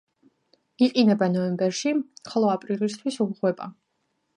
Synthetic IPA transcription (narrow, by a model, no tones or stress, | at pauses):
iqʼinɛbanɔɛmbɛɾʃiχlˠɔapʼɾilis̬t̪ʰwisumʁwɛbʼa̰